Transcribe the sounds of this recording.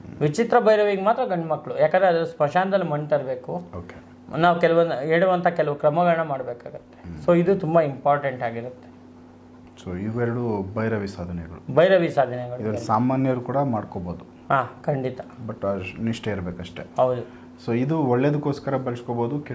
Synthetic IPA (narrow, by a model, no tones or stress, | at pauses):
ʋit͡ʃit̪ɾɐbɐjɾɐʋiɡmaːt̪ɾɐɡɐɳɖmɐkːɐɭujaːkɐnd̪ɾeɐd̪ɐɐspɐʃaːnd̪ɐlːimɐɳɖt̪ɐɾbe̞ːkuoːke | naːʋukɛlɐʋɐneːɽuʋɐnt̪ʰakɛlɐʋukɾɐmɐɡɐɭɐnːɐmaːɽbeːkaːɡut̪ːesoːid̪ut̪umbɐimpaːɾʈeɳʈaːɡiɾut̪ːe̞̥ | soiʋɛɾɐɽubɐjɾɐʋisaːd̪ʱɐnɛɡɐɭubɐjɾɐʋisaːd̪ʱɐnɛɡɐɭuid̪ɐlːisaːmaːnjɐɾukuːɽɐmaːɽkoboːd̪u | ɦaːkɐɳɖit̪ɐbɐʈːɐniʂʈɐiɾbeːkɐʂʈeɦɐwd̪u | soːid̪uɔɭːed̪ukːoːskɐɾɐbɐlskoboːd̪uk